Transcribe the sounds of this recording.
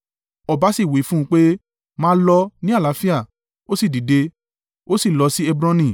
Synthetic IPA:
ɔ˧ba˨˦si˦˨wi˨˦fũ˦ũ˧˦k͡pe˦ | mãː˦lɔ˧nĩ˦a˦˨la˨˦fi˦a˦˨ | o˦si˦˨di˨de˧ | o˦si˦˨lɔ˧si˦e˧bɾã˧nĩ˨

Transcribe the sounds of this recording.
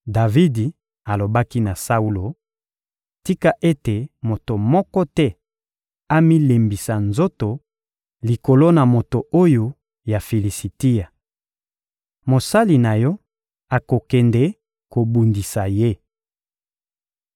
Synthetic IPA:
da˨vi˦di˨ | a˨lo˨ba˦ki˦na˨sa˦u˦lo˨ | ti˦ka˦ʔe˦te˨mo˨to˨mɔ˦kɔ˦tɛ˦ | a˦mi˦le˨mbi˨sa˨nzo˦to˨ | li˨ko˨lo˦na˨mo˨to˨o˦jo˨ | ja˨fi˨li˨si˨ti˦ja˨ | mo˨sa˦li˨na˨jɔ˦ | a˨ko˨kɛ˨nde˦ | ko˨bu˨ndi˨sa˨je˦

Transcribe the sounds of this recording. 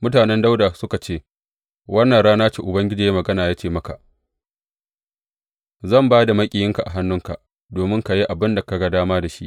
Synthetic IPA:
mʊ˦taː˨nɛ˦nda˦wda˨sʊ˦ka˨t͡ʃeː˦˨ | wʔɐ˦nːɐ˨ɽaː˦naː˦t͡ʃe˨ʔʊ˨bɐ˦ŋɡʲɪ˦d͡ʒiː˨je˦mɐ˨ɡɐ˦naː˨jaː˦t͡ʃeː˦˨mɐ˦ka˨ʔ | zɐ˦˨mbaː˦da˨mɐ˦kʲʼɪ˨jɪ˦ŋka˨ʔa̰˨ɦa˦nːʊ˦ŋka˨ʔ | doː˨mɪ˦ŋka˨ji˦ʔa˨bɪ˦nda˨ka˨ɡa˦daː˦maː˦da˨ʃḭ˦ʔ

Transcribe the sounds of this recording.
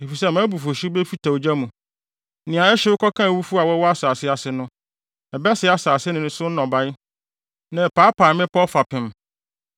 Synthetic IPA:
e˨fi˨s̬ɛ˦mã˦bu˨fo˨ɕi˦bɛ˦fi˦tʰa˨o˨d͡ʑa˦mũ˨ | nɪ̃˨ã˨˦ɛ˦ɕɛ˦wʊ˦kʰɔ˦kʰã˦˨wu˦fu˦a˨wɔ˦wɔ˦a˦saː˨sɪ˦a˨sɪ˦nʊ̃˦ | ɛ˨bɛ˦sɪ˦a˨saː˨sɪ˦nɪ̃˨nʊ̃˦sʊ˦n̩˦nɔ̃˨ba˦ɪ˦ | nã˨paː˨˦pʰaː˨mɪ̃˦pɔ˦fa˨pʰɪ̃˨m

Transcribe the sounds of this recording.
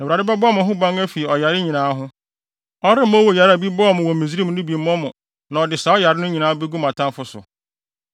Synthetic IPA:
na˨u˨ɾa˨dɪ˦bɛ˦bɔ˦˨mʊ̃˨ɦʊ̃˦bã˦ŋæ˦fi˨ɔ˨ja˨ɾɪ˦ɲĩ˨nãː˨˦ɦʊ̃˦ | ɔ˦ɾɪ˦m˦ɔ˦wo˨ja˨ɾbi˦bɔ˦ɔ˦˨mʊ̃˨wɔ̃˨mĩ˨zi˦ɾi˦mʊ̃˦nʊ̃˦bi˨˦ɔ̃˦mʊ̃˨ | nã˨ɔ˨dɪ˨sa˨ɔ˦ja˨ɾɪ˦nʊ̃˦ɲĩ˨nãː˨˦be˦ɡu˦mã˨tʰã˦mfʊ˦sʊ̰˨

